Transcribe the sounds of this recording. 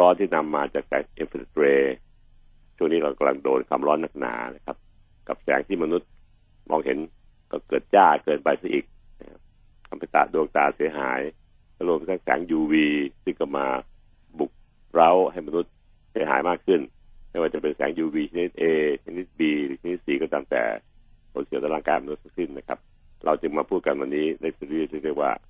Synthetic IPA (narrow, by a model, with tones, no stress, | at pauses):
ɾɔː˦˥nt̪ʰiː˥˩na˧mːaː˧t͡ɕaː˨˩k̚sɛ̰ː˨˦ŋʔi˧nfi˧˩t̪ɾeː˧ | t͡ɕʰu˥˩ŋniː˦˥kɔ˧˩ka˧mla̰˧ŋdoː˧nkʰa̰˧mɾɔː˦˥nːa˧˩k̚na̰ː˩˦na˦˥˩kʰa˦˥p̚ | ka˨˩p̚sɛ̰ː˩˦ŋt̪ʰiː˥˩ma˧nu˦˥˩t̪̚ | mɔː˧ŋɦe˩˦n | kɔː˥˩kɤː˨˩t̪̚t͡ɕaː˥˩kɤː˧npa˧jsa˥˩ʔiː˨˩k̚na˦˥kʰa˦˥p | kʰa˧mpʰa˧˩jt̪a̰˨˩duː˧ŋt̪aː˧˩si˨˩˦ɐɦa̰ː˩˦j | lɾu˥˩əmt̪ʰaː˦˥˩ŋsɛ̰ː˨˩˦ŋjuː˧wiː˧sɯ˥˩ŋkɔ˧˩maː˧ | bu˨˩k̚ | ɾa˦˥˩wɦa˥˩jma˧nu˦˥t̪̚ | si˨˦ɐɦa̰ː˨˦jmaː˥˩kʰɯ˥˩n | ma˥˩jwaː˧˩t͡ɕa˨˩pe˧nsɛ̰ː˩˦ŋjuː˧wiː˧t͡ɕʰa˧˦ni˦˥t̪̚ʔeː˧t͡ɕʰa˧˦i˦˥t̪̚biː˧lɯː˨˦a˧˦ni˦˥t̪̚siː˨˩kɔː˧˩t̪a˧mt̪ɛ̰ː˨˩pʰo˨˦nsi˨˦t̪a˧laː˧˩ŋkaː˧nma˧nu˦˥t̪̚ʰa˥˩si˥˩nːa˦˧˩kʰa̰˦˥p̚ | ɾʔa˧wt͡ɕɯ˧ŋmaː˧pʰuː˥˩ka˧nwa˧˩nːiː˦˥da˥˩jtʰːli˧˥˩liː˧˥˩li˧˩ək̚wa̰ː˧˩